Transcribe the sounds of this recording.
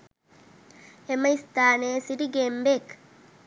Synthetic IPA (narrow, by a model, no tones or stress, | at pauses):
emɐist̪aːneːsidiɡeːmbek